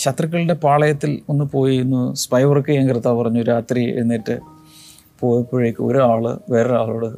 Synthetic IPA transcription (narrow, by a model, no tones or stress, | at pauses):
ɕɐt̪rɐk̬ʲːɐɭɽe̞paːɭɐjɐt̪ːilonːɨpo̞ːjiunːuspɐjʋɐrkɨeŋkɐrɨt̪ːaːʋpɐrɐɲːuoɾaːt̪riḛnːiʈːɨ | po̞ːjpːuɻɐikʲːuo̞̰ɾuaːɭɨ̰ʋeːɾɐaːɭoːɽɨ